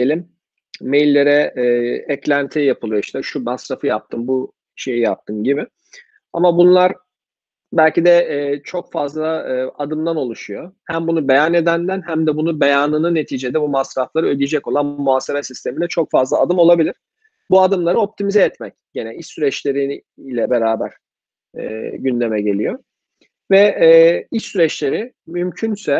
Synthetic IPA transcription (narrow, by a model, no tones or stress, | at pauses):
elʲimː | e̞jlʲːe̞ɾɛː | ɛclʲænt̪ʰijapʰɯlˠɯjoiʃt̪ɛʃumasɾafɯjap̚t̪ʰɯmbu | ʃe̞jijap̚t̪ʰɯmɟibɪ | a̰mabunlˠaɾ | bælʲcid̪ɛːt͡ʃʰo̞kfazlˠaad̪ɯmd̪ano̞lˠuʃujohæmbunube̞janed̪ænd̪ænhæmd̪ɛbunubejaːnɯnɯne̞t̪ʰiːd͡ʒe̞d̪ɛbumasɾaflˠaɾɯølʲijed͡ʒɛco̞lˠanmuaːsebasist̪ʰe̞milʲɛt͡ʃʰo̞kfazlˠaːd̪ɯmo̞lˠabilʲiɾ̥ | buad̪ɯmlˠaɾɯo̞p̚t̪ʰimizɛːt̪mɛcɟenɛiʃsyɾɛt͡ʃlʲe̞ɾi | lʲɛbeɾaːbæɾ̥ | ɛ̰ːɟynd̪emɛɟe̞lʲijo | vɛː | iʃsyɾɛt͡ʃlʲe̞ɾɪ | mymcʰynsɛ